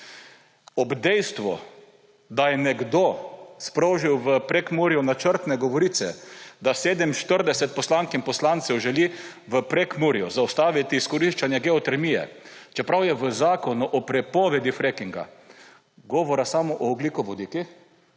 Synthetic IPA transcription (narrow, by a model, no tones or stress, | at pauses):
ɔbd̪ɛjst̪ʋɔ | d̪ajɛnɛɡd̪ospɾoʒiwʋəpɾekmuɾijɔnat͡ʃəɾt̪nɛɡɔʋɔɾiːt̪sɛd̪aseːd̪ɛmʃt̪əɾd̪ɛsɛt̪̚pɔslaŋkimpɔslant̪sɛwʒɛli | ʋəpɾekmuɾijɔzawst̪aːʋit̪iːskɔɾiʃt͡ʃanjɛɡɛɔt̪ɛɾmijɛ̰t͡ʃɛpɾawjɛʋəzaːkɔnuʔɔpɾɛpɔʋɛd̪ifɾekiŋɡa̰ | ɡɔːʋɔɾasamɔʔɔːblikʊʋɔd̪iki